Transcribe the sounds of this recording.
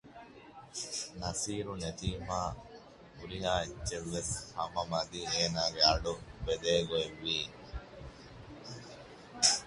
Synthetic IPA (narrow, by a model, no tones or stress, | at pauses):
nɐsiːɾunet̪iːmaː | uɾiɦaːitːt͡ʃːeʋːeshɐmɐmɐd̪iːeːnaːɡeɐɖubed̪eːɡoeʋːiː